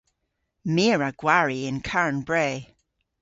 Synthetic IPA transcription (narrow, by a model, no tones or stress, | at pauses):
miːɹəɡ̥waɹiɪ̃nkʰaɹnbɹeː